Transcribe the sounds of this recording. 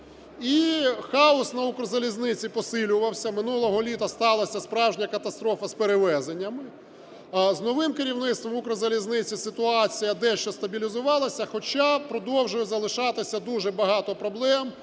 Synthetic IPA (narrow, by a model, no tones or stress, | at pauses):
ixɑɔsnɐukɾzɐlʲiznɪt͡sʲipɔsɪlʲʊʋɐwsʲɐmɪnulˠɔɦɔlʲit̪ɐst̪ɑlˠɐsʲɐspɾɑwʒʲnʲɐkɐt̪ɐst̪ɾɔfɐspeɾeʋɛzenʲːɐmɪ | znɔʋɪmkɪɾʲiwnɪt̪st̪ʋɔmukɾɐzɐlʲiznɪt͡sʲisɪt̪ʊɑt͡sʲijɐd̪ɛʃt͡ʃɔst̪ɐbʲilʲizʊʋɑlˠɐsʲɐxɔt͡ʃapɾɔd̪ɔwʒʊjɛzɐlˠɪʃɑt̪ɪsʲɐd̪uʒɛbɐɦɑt̪ɔpɾɔblˠɛm